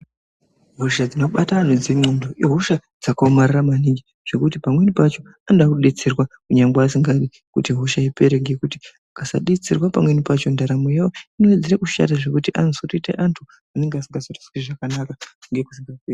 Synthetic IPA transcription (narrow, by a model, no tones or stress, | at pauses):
ɦo̞ʃad͡zinoɓataʐed͡zemondoʔiɦo̞ʃad͡zakaomariramaniŋɡi | ʐ̥e̞kutipamwe̞nipat͡ʃo̞ | andakuɗet͡sirwakuɲaŋɡaasiŋɡaɗi | kutiɦo̞ʃaipe̞ɾeŋɡekuti | akasa̰ɗet͡sirwapamwenipat͡ʃo̞ndaɾamojawoinoed͡zeɾekuʃa̰taʐe̞kutiʔansotitḛʔantʰu | ane̞ŋɡeasiŋɡazotḁskiʐakanakaŋɡeku̥siŋɡad͡zi